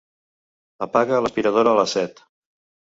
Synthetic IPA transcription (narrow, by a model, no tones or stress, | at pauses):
əpaɣələspiɾəð̞oɾəːləsɛt̪